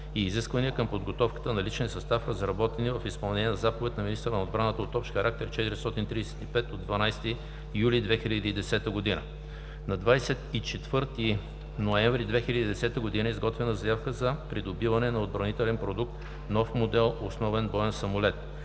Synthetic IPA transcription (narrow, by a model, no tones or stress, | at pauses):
iːziskvəniəkəmpod̪ɡot̪ɔfkə̥t̪ənɐlit͡ʃnɛsɐst̪afkəzɐɾɐbɔt̪ɛnivəfispɐlˠnɛniɛnɐzapovɛt̪nɐminist̪əɾənɐod̪bɾanət̪əot̪ɔpʃxɐɾak̚t̪ɛɾt͡ʃɛt̪iɾist̪ɔt̪int̪ɾiɛsɛ̥t̪ipɛt̪od̪vɐnajst̪i | julʲid̪vɛxilʲəd̪iːd̪ɛsɛt̪əɡod̪inə̰ | nɐd̪vajsɛt̪it͡ʃɛt̪vɤɾt̪i | noɛ̃ɱvɾid̪vɛxilʲəd̪id̪ɛsɛt̪əɡod̪inəizɡɔt̪vɛnəzɐjafkəzɐpɾid̪obivɐnɛnɐod̪̚bɾɐnit̪ɛlɛnpɾod̪uk̚t̪ | nɔfmod̪ɛlˠosnɔvɛnbɔɛnsɐmolɛt̪